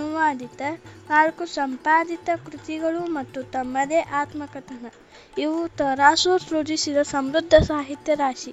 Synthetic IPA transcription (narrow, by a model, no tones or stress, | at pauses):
uʋaːd̪ʱit̪ɐnaːɭkusɐmpaːd̪it̪ɐkɾut̪iɡɐɭumɐt̪ːut̪ɐmːɐd̪eːʔaːt̪mɐkɐt̪ɐnɐ | iʋut̪ɐɾaːsuːɾsɾud͡ʒ̪isid̪ɐsɐmɾud̪ʱːɐsaːɦit̪jɐɾaːʃi